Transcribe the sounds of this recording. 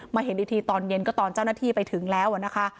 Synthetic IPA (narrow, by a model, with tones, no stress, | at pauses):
maː˧˩ɦe˨˩˦ndiː˧˩t̪ʰiː˧t̪ɔː˧nje˧nkɔː˥˩t̪ɔː˧nt͡ɕaː˥˩wna˥˩t̪ʰiː˥˩pa˧jt̪ʰɯ˨˩˦ŋlɛː˦˥wʔa˨˩na˦˥kʰa˦˥ʔ